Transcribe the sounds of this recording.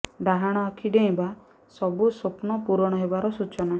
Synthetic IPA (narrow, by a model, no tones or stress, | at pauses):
ɖaɦaɽ̃ɔakʰiɖeĩba | sɔbusopnɔpuɾɔɽ̃ɔɦebaɾɔsut͡ʃɔna